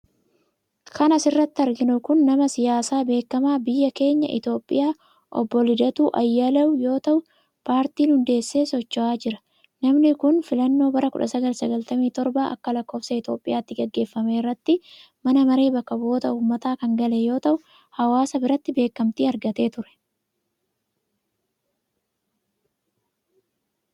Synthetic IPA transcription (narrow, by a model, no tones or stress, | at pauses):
kɐnɐsɪrːɐt̪ːɪɐɾɡɪnʊkʊnːɐmɐsɪjaːsaːbe̞ːkːɐmaːbɪjːɐke̞ːɲːɐʔɪ̰t̪o̞ːpʼːɪ̰jaː | ʔɔ̰bːɔlɪd̪ɐt̪uːʔɐjːɐlɐʊjo̞ːt̪ɐʔʊ | paːɾt̪iːnhʊnd̪e̞ːsːe̞ːsɔt͡ʃːɔʔaːd͡ʒɪɾɐ̥ | nɐmnɪkʊnfɪlɐnːo̞ːbɐɾɐkʊᶑɐsɐɡɐlsɐɡɐlt̪ɐmiːt̪ɔɾbaːʔɐ̰kːɐlɐkːo̞ːfsɐɪt̪o̞ːpʼːɪjaːt̪ːɪɡɐɡːe̞ːfːɐme̞ːrːɐt̪ːɪ | mɐnɐmɐɾe̞ːbɐkːɐbo̞ːt̪ɐʔuːmːɐt̪aːkɐŋɡɐlejo̞ːt̪ɐʔʊ | hɐwaːsɐbɪɾɐt̪ːɪbe̞ːkːɐmt̪iːɐɾɡɐt̪e̞ːt̪ʊɾɛ̥